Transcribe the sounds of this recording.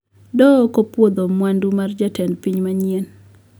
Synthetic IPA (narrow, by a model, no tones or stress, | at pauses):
dɔkopwod̪omwandumard͡ʒatɛnpiɲmaɲien